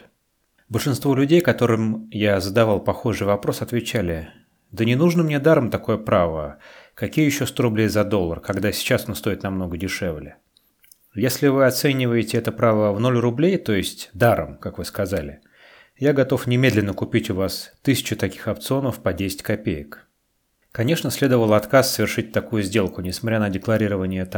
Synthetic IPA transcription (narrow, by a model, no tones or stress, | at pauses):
bəlʲʂɨnst̪vo̞lʲʉdʲejkɐt̪o̞ɾɨmjazəd̪ɐvɑlˠpɐxo̞ʐɨjvɐpɾo̞sɐt̪vʲɪt͡ɕælʲɪ | d̪ənʲɪnuʐnəmnʲed̪aɾəmt̪ɐko̞jəpɾavəkɐkʲijəjɪɕːo̞st̪o̞ɾʊblʲejzɐd̪o̞lˠːərkɐɡd̪asʲɪ̥t͡ɕasonst̪o̞ɪt̪nɐmno̞ɡədʲɪʂɛvlʲɪ | jesʲlʲɪvɨɐt̪sɛnʲɪvəjɪtʲɪɛt̪əpɾavəvno̞lʲrʊblʲejt̪o̞jɪsʲtʲd̪aɾə̰mkakvɨskɐzalʲɪ | jaɡɐt̪o̞fnʲɪmʲe̞d̪lʲɪnːəkʊpʲitʲʊvast̪ɨsʲɪ̥t͡ɕʊt̪ɐkʲi̥xɐpt̪sɨo̞nəfpɐdʲesʲɪ̥tʲkɐpʲejɪk | kɐnʲe̞ʂnəsʲlʲe̞d̪əvəlˠɐt̪kasːəvʲɪrʂɨt̚ʲt̪ɐkujʊzʲdʲe̞lˠkʊnʲɪsmɐt̪ʲɾʲanədʲɪklˠɐɾʲiɾəvənʲɪjət̪